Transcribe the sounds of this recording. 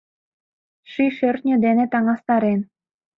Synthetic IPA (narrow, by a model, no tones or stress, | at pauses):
ʃyʃørt̪nʲə̆d̪enet̪ɑŋɑst̪ɑɾen